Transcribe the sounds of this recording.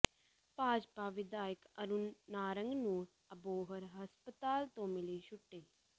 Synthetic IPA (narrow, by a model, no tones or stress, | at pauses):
paːd͡ʒpaːʋɪd̪aːjəkɐɾunːaːɾə̃ŋɡnũː | ɐboːɦəɾɦɐspət̪aːlt̪õmɪliːʃʊʈːeː